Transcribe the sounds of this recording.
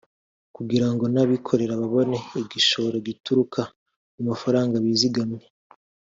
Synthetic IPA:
kuɡiɾaŋɡo̞naβikʰo̞ɾe̞ɾaβaβo̞ne̞iɡiʃo̞ɾoɡituɾukʰa | mumafaɾaːŋɡaβiːziɡamɲe

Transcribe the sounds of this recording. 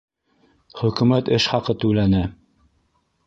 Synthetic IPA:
χɵ̆kʉ̆mæt̪ɘʃχɑqɤt̪ʉ̆lænæ

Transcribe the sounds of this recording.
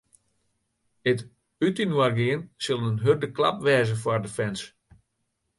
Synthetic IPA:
ət | ytinwarɡɪənsɪlˠənɦørdəkla̰p̚ʋɛːzəfwɔrdəfɛns

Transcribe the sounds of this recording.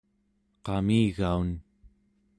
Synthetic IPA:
qɑmiːɣaun

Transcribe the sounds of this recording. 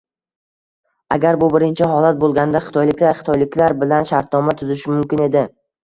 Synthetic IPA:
aɡʲaɾbʊbɪɾɪnt͡ʃʰɪɦɒlˠat̪̚bolˠɡʲand̪aχɪ̥t̪ʰɒjlɪkʲlaɾχɪ̥t̪ʰɒjlɪkʲlaɾbɪlanʃaɾt̪̚nɒmat̪ʰʊzɪʃɪmʊmkʲɪne̞d̪ɪ

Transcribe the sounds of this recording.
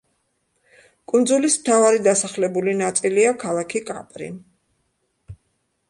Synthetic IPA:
kʼund̪zulismt̪ʰavaɾid̪asaχlɛbulinat̪sʼiliakʰalˠakʰikʼa̰pʼɾḭ

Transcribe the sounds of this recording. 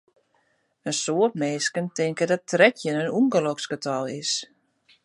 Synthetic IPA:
ənsoətmeːskəntɪŋkədɔtrɛtʰjənənuŋɡəlɔkskətʰɔlˠɪs

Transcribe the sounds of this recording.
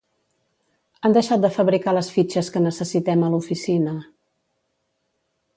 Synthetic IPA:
and̪əʃat̪̚d̪əfəβɾikaləsfit͡ʃəskənəsəsit̪ɛməlufisinə

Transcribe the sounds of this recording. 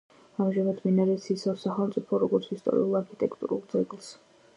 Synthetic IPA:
amʒavad̪minaɾɛsisasaχɛlˠmt̪sʼipʰɔɾɔɡɔɾt̪sʰist̪ʼɔ̰ɾḭulˠaɾkʰit̪ʼɛkʰt̪ʼṵɾulˠd̪zɛɡlˠs

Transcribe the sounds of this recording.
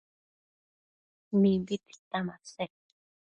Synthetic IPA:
nibit̪i̥t̪amase

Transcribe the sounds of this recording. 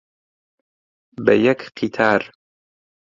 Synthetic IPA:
bɛ̰jɛkqʰit̪ʰaːɾ

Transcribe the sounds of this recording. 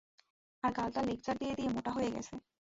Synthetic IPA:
aɾɡalʈalik̚d͡ʑaɾd̪ijed̪iemoʈaɦojeɡɛ̰t͡ɕʰe

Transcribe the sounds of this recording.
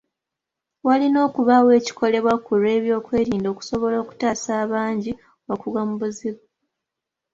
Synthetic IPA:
walino̞ːkuβawe̞ːci̥kʰo̞le̞βwakuɾe̞ːβjo̞ːkwe̞ːɾiːndo̞ːku̥so̞βo̞lo̞ːku̥taːsaːβaːɲɟi | wakuɡamubuziβa

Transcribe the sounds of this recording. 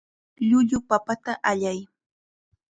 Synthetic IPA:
ʎʊʎʊpapat̪aʔaʎaj

